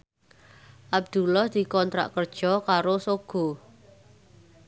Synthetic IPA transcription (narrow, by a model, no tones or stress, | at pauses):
ʔab̚d̪̥ulɔhd̪̥i̤kɔnt̪ɾa̰ʔkərd̥ʒ̥ɔkaɾosoɡ̥ɔ̤